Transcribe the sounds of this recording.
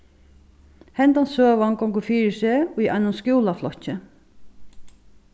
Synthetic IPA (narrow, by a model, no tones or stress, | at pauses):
hɛnt̪ansøːʋankɔŋkʊfiːɹɪsɛuja̰ɪnʊnskjuːlaflɔht͡ɕːɪ